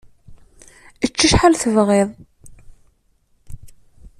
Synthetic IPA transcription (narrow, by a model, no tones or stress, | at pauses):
ət͡ʃːəʃħalθəvʁeðˤ